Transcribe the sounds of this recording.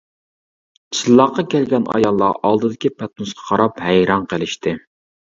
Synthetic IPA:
t͡ʃʰilˠːɑqːɑkʲʰɛlɡʲɛnɑ̰jɑlˠːɑ̰ʔɑlˠd̪ɨd̪ɪkʲipʰɛt̪nusqʰɑ̥qʰɑɾɑphɛjɾɑnqʰəlˠɪʃt̪ɪ

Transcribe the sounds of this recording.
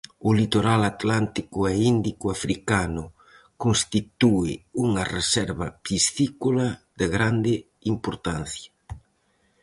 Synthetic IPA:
ʊlit̪oɾalat̪lant̪ikʊɛind̪ikʊafɾikanʊ | konst̪it̪uɪuŋɐresɛɾβɐpist̪ikulad̪eɣɾand̪ɪ | impoɾt̪an̟θja

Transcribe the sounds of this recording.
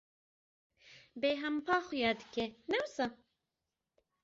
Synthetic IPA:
beːɦɛmpʰɑːχʊjɑːd̪ɨkenɛwsɑ

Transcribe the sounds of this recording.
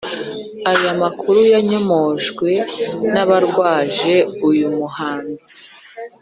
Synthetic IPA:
ajamakuɾujaɲo̞moʒɡwe̞naβaɾɡwaːʒe̞ujumuhaːnzi

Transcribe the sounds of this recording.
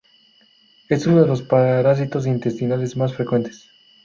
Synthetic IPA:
e̞sunoðelo̞spaɾaɾas̬it̪o̞s̬int̪e̞st̪inale̞zmasfɾe̞kwe̞nt̪es

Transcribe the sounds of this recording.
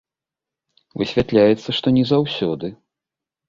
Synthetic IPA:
vɨsʲvʲat̪lʲajɛt̪sːɐʂt̪ɔnʲɛzawsʲɔd̪ɨ

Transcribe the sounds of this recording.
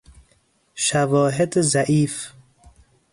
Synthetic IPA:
ʃavɔːɦed̪zaʔiːf

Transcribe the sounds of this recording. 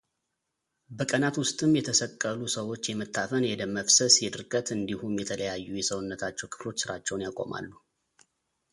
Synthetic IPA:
bəkʼənat̪wʊst̪ʼɨmjɛt̪ʰəsəkʼːəlusəwo̞t͡ʃːjɛmət̪ʰːafənjɛd̪əmːəfsəsjɛd̪ɨɾkʼət̪ɨnd̪ihumjɛt̪ʰələjajːujɛsəwʊnːət̪ʰat͡ʃːɛwkʰɨ̥flo̞t͡ʃːsɨɾat͡ʃːɛwnjakʼo̞̰ma̰lːu

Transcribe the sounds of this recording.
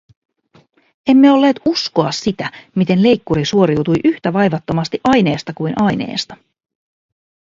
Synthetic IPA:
e̞mːeo̞lːeːt̪usko̞ɑsːit̪æmit̪e̞nle̞jkːuɾisuo̞ɾiwt̪ujʔyht̪æʋɑjʋɑt̪ːo̞mɑst̪iʔɑjne̞ːst̪ɑkujnʔɑjne̞̰ːst̪ɑ̥

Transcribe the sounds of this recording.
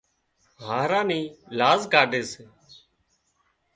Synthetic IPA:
ɦaːɾãːniːlaːzkaːɖʱeːseː

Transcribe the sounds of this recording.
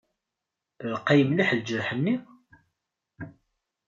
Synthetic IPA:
lqːɑjəmliħld͡ʒəɾħənːi

